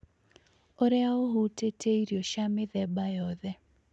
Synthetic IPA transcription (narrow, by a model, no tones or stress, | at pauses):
ɔɾɛaoɦutetʰeiɾjoʃamɪðɛbajɔðɛ